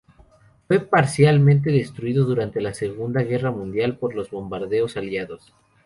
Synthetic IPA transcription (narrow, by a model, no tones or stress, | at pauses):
fwe̞paɾsjalmẽnt̪̬e̞ðe̞st̪ɾuiðo̞ðuɾant̪e̞lase̞ɣund̪aɣe̞ramũnd̪jalpo̞ɾlo̞zβo̞mbaɾðe̞o̞saljaðo̞s